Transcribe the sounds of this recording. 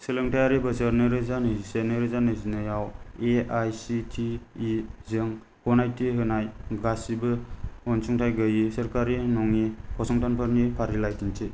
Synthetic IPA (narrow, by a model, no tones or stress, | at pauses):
sɯlɯŋtʰajaɾibɯsəɾnɯɾɯzanɯsenɯɾɯzanɯzinɯjaweajsitʰiː | zɯŋ | hɔnajtʰiɦɯnajɡasibɯɔnsuŋtʰajɡɯjisəɾkaɾinɔŋikʰɔsɔŋtanpʰaɾnipʰaɾilajtʰintʰi